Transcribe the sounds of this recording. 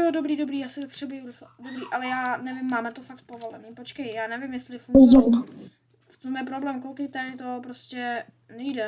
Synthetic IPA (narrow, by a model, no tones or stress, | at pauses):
jodobɾiːdo̞bɾiːjaːsɪt̪apr̥ɛbjɛjuɾɪxdobɾiːʔalɛjaːnɛvɪmːaːmɛt̪ofakt̪̚povo̞lɛniːpo̞t͡ʃkɛjjaːnɛvɪmjɛst̪lɪfuda | ft̪omjɛpɾoblɛːmkolkejt̪adɪt̪o̞pɾoscɛ | nɛjdɛ